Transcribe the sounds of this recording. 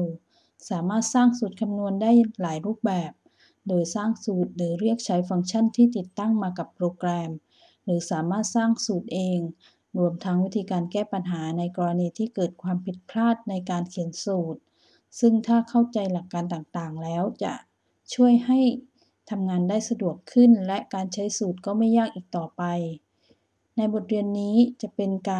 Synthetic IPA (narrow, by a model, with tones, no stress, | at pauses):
saː˩˦maː˥˩t̪̚saː˥˩ŋsuː˨˩t̪̚kʰa˧mnu˧əndaː˥˩jlaː˩˦jɾuː˥˩p̚bɛː˨˩p̚ | doː˧jsaː˥˩ŋsuː˨˩t̪̚ɾɯː˩˦ɾi˥˩ək̚t͡ɕʰa˦˥jfa˧ŋt͡ɕʰa˥˩˨nt̪ʰiː˥˩t̪i˨˩t̪ːa˥˩ŋmaː˧ka˨˩pːɾoː˧klɛː˧m | ɾɯː˩˦saː˩˦maː˥˩t̪̚saː˥˩ŋsuː˨˩t̪̚ʔeː˧ŋ | ɾu˧əmt̪ʰa˦˥ŋwi˦˥t̪ʰiː˧kaː˧nkɛː˥˩pa˧nɦaː˩˦na˧jkɔː˧ɾa˧niː˧t̪ʰiː˥˩kɤː˨˩t̪̚kʰwaː˧mpʰi˨˩t̪̚pʰlaː˥˩t̪̚na˧jkaː˧nkʰi˨˩˦ənsuː˨˩t̪̚ | sɯ˥˩ŋt̪ʰaː˥˩kʰa˥˩wt͡ɕa˧jla˨˩kːaː˧nt̪aː˨˩ŋt̪aː˨˩ŋlɛː˦˥wt͡ɕa̰˨˩ʔ | t͡ɕʰu˥˩əjha˥˩j | t̪ʰa˧mŋaː˧ndaː˥˩jsa˧du˨˩əkʰːɯ˥˩nlɛ˦˥ʔkaː˧nt͡ɕʰa˦˥jsuː˨˩t̪̚kɔː˥˩ma˥˩jːaː˥˩k̚ʔiː˨˩k̚t̪ɔː˨˩pa˧j | na˧jbo˨˩t̪̚ɾi˧ənːiː˦˥t͡ɕa˨˩ʔpe˧nkaː˧